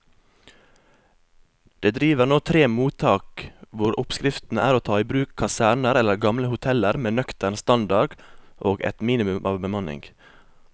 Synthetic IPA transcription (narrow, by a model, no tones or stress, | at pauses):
d̪̥eːd̪ɾiːʋəɾnoːt̪ʰɾeːmuːt̪ʰɑːkʋʊɾʊpskɾɪft̪n̩əæːɾoːt̪ʰɑːiːbɾʉːkʰːɑsæːɳəɾɛləɾɡɑmləhʊt̪ʰɛləɾmeːnœkt̪əɳst̪ɑnd̪ɑɡʔoːɡɛ̰t̪miːnɪmʉmʔɑːʋbəmɑnɪ̰ŋɡ